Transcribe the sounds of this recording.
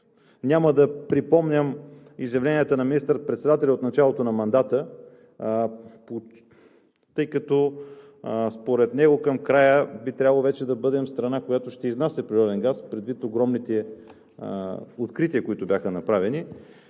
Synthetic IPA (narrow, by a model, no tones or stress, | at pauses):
nʲaməd̪ɐpɾipɔmnʲəm | izjɐvlɛniət̪ənɐminist̪əɾət̪̚pɾɛt̪sɛd̪at̪ɛlʲɐot̪nɐt͡ʃalˠot̪onɐmɐnd̪at̪ə | po | t̪ɤjkɐt̪ɔ | spoɾɛt̪nɛɡokɐmkɾajəbit̪ɾʲabəlˠovɛt͡ʃɛd̪ɐbɤd̪ɛmst̪ɾɐnakojat̪oʃt̪ɛiznasʲɛpɾiɾɔd̪ɛnɡaspɾɛd̪vit̪oɡɾɔmnit̪ɛ | ot̪kɾit̪iəkoit̪ʊbʲjaxənɐpɾavɛni